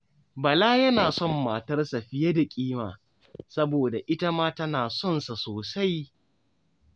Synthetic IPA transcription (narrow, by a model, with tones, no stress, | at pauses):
bɐ˨laː˦jɐ˦naː˨sɔ˦˨mːaː˨tɐ˦rsa˨ɸɪ˦jɐ˦da˨kʲʼiː˦maː˨ | sɐ˦boː˨da˨ʔɪ˦ta˦maː˦tɐ˦naː˨sɔ˦nsa˨soː˨sa˦j